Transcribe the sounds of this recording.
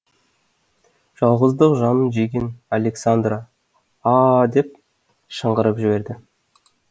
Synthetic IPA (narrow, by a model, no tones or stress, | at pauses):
ʒ̥ɑlˠʁəzd̪əqʒɑnənʒejɡʲenalʲeksand̪ra | ɑd̪e̞p̚ | ʃəɴʁəɾəpʒɪbe̞ɾd̪ɪ